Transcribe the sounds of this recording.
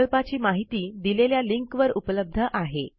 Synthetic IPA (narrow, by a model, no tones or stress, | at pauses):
lpat͡ɕiːmaɦit̪iːd̪ileljaliŋkʋəɾupləb̚d̪ʱəʔaɦe